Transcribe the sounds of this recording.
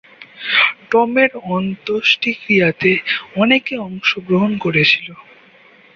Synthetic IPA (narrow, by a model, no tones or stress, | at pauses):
ʈɔmeɾɔnt̪oʃʈikɾijat̪eɔnekeɔŋʃoɡɾoɦonkoɾet͡ɕʰilo